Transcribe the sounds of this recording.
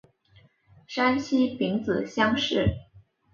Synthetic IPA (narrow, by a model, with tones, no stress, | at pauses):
ʂa˥nɕʰi˥pi˧˥ŋt͡sɹ̩˨˩ɕjɑ˥ŋʂɻ̩˥˩